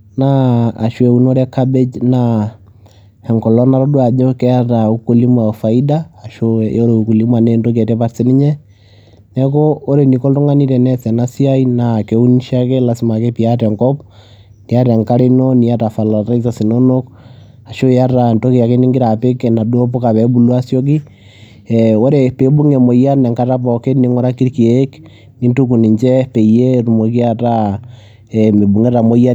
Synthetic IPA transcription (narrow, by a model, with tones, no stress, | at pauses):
na̰ː˦˨ʃwɛ˨u˦no˦ɾɛ˦kabe˦d͡ʒna | hɛ˨ŋkɔ˨lɔ˦na˦ɾɔ˦du˦a˨d͡ʒɔ˦kɛ˦ja˦ta˨u˦ko˦li˦mwa˨fa˨i˦daː˦˨ʃo˦jɔ˦ɾo˨u˨ku˨li˦mwa˨nɛ˦nto˦kɛ˨tɛ˦pa˨ɾsɛ˦ni˦ɲɛ˦ | nɛ˦kɔː˦ɾe˨ni˨kɔ˦ltɔ˦ŋa˦ni˦tɛ˨nɛ˦sɛ˨na˦si˦a˦inakɛ˨˦u˦nʃa˦kɛ˦la˨si˨ma˨kɛ˦pi˨atɛ˨ŋkɔ˦p | ni˨a˦tɛ˨ŋka˦ɾe˦no˦ni˨a˦ta˨fa˨la˨ɾa˦i˦sa˨si˨no˦no˦k | a˨ʃo˦ja˦ta˨nto˦ke˨ja˨ke˦ni˦ŋɡi˦ɾa˨pe˦kɛ˨na˨du˦o˦po˦ka˨βɛ˨bu˨lwa˦sjɔ˦k̬i˦ | o˦ɾe˨pe˨˦bu˦ŋe˨mo˨ja˦nɛ˨ŋka˦ta˦pɔ˨ke˦ni˦ŋɔ˦ɾa˦ki˦ɾke˨˦k | ni˦ntu˦ku˨ni˨ɲt͡ʃɛ˦pe˨je˦ɾu˨mo˨ki˦a˦ta˦ | ɛme˨bu˨ŋe˦ta˨mo˦ja˦